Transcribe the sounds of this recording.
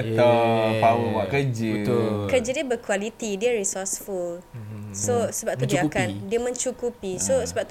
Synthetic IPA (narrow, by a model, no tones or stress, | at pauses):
ət̪apawəwaʔkəd͡ʒəkəd͡ʒadiəbəkwalit̪idiəɾisɔsfulsosəbap̚t̪udiəakandiəmə̃ɲt͡ʃukupisosəbap̚t̪